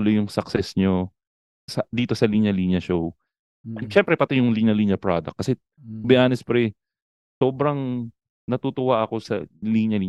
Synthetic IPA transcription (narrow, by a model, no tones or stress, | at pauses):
ʊlojʊŋsɐksɛsɲo | sɐd̪iːt̪o̞sɐliːɲɐliɲjɐʃow | ɐʃɛmpɾɛpɐt̪ɪjʊŋliɲɐliːɲɐpɹa̰d̪ɐ̰k̚ːɐsɛ | bɪʔaːnɛspɾɛ | so̞ːbɾɐŋ | nɐt̪ut̪ʊwaʔɐko̞sɐ̰liːɲjɐliːɲ